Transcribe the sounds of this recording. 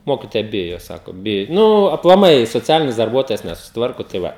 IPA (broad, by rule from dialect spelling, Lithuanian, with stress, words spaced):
ˈmoːkʲɪtoːjɛ ˈbʲɪjoː ˈsɑːkoː ˈbʲɪjoː ˈnʊ ɐplˠɐˈmɐɪ soːˈt͡sʲæːlʲɪnʲɪs dɐrˈbuɔtoːjɛs nʲɛsʊsʲɪtˈʋɐrkoː tɐɪ ˈʋɐ